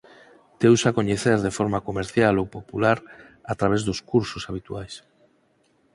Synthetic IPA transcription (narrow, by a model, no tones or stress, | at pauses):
t̪ewsakoɲeθeɾðefɔɾmakomeɾθjalowpopulaɾ | at̪ɾaβ̞ezðʊskuɾsʊsaβ̞it̪uajs